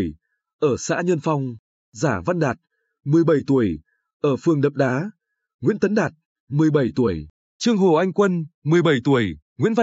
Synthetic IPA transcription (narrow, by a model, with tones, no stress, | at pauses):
j | ʔəː˧˩sa̰ː˧˥ɲə˧nfa˧wŋ͡m | zaː˧˩va˧nɗaː˨˩t̚ | mɨ˨˩əjɓə˧˩jt̪u˧˩əj | ʔəː˧˩fɨ˨˩əŋɗə̰˧˨ŋ͡mɗaː˨˦ | ŋwḭ˧˥nt̪ə˨˦nɗaː˨˩t̚ | mɨ˨˩əjɓə˧˩jt̪u˧˩əj | t͡ɕɨ˧əŋɦo˨˩ʔa˧jŋ̟kwə˧nmɨ˨˩əjɓə˧˩jt̪u˧˩əj | ŋḭ˧˥ənva˧